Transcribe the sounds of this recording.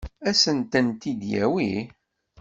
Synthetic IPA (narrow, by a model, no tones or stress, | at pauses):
æsənt̪ənt̪id̪jæ̰wi